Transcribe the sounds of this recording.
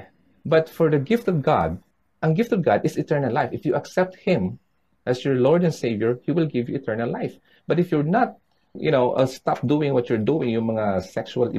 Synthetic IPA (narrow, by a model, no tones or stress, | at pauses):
bɐt̪fɔɹd̪ɐɡɪft̪ɔvɡa̰d̪̚ | ʔɐ̃ŋɡɪft̪ɔvɡad̪ɪsɪt̪ɛɹnɐlːajfɪfjuʔɐksɛp̚t̪̚hɪ̃m | ʔæsjɔɹlɔɹd̪ɛ̃nseɪvjɔɹhiwɪlɡɪvjʊɪt̪ʰɛɹnɐlaɪf | b̥ɐt̪ɪfjʊɹnat̪̚ | jʊ̰nowʔəst̪ap̚d̪uɪ̃ŋwʌtjʊɹd̪uɪ̃ŋjʊ̃ŋmɐŋasɛkʃualɪ̰